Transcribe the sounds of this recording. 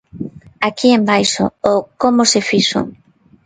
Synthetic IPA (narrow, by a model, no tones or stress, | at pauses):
akiembajʃʊ̰okomʊsefiʃʊ̰